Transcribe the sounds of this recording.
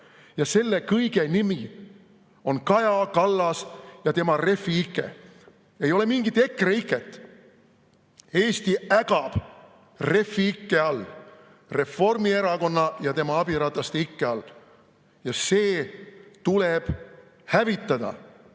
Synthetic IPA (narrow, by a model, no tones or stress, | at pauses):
jɑse̞lːe̞kɤjɡe̞nimi | o̞nkɑjɑkɑlːɑsjɑt̪e̞mɑre̞fiikːˑḛ | e̞jo̞le̞miŋɡit̪ːˑe̞kːˑreikːˑe̞t̪ːˑ | e̞ːst̪iæɡɑb̥ | re̞fːiikːe̞ɑlː | re̞fo̞rmie̞ɾɑko̞nːɑjɑt̪e̞mɑɑb̥iɾɑt̪ɑst̪ikːeɑl | jɑse̞ːt̪ule̞b̥ | hævit̪ːˑɑd̪̥ɑ̰